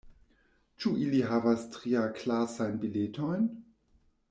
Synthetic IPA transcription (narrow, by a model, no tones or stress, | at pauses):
t͡ʃuʔiliɦavastʁiaklasajnbiletojn